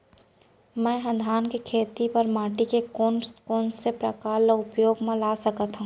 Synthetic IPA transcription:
mɛ̃ːɦɐ̃d̪ʱaːnkikʰeːt̪ipɐɾmaːʈikekonkoːnsepɾɐ̰kaːɾlaʊpjoːɡmẽlaːsɐkət̪ɦũ

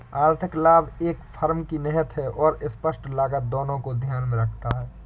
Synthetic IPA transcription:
aːɾt̪ʰɪklaːbeːkpʰəɾmkinɪɦət̪ɦɛʔɔːɾɪspəʃʈlaːɡət̪̚d̪oːnõkod̪ʱjaːnmẽɾəkʰt̪aɦɛː

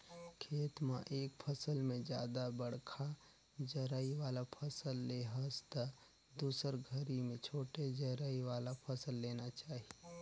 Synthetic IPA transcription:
kʰeːt̪mã̰ʔeːkpʰəsəlmẽd͡ʒjaːd̪abəɽ̤kʰa | d͡ʒəɾaːiʋaːlapʰəsəlːeɦəst̪ə | d̪uːsəɾɡʱəɾimẽt͡ʃʰoːʈed͡ʒəɾaːiʋaːlapʰəsəlːeːnat͡ʃaːɦi

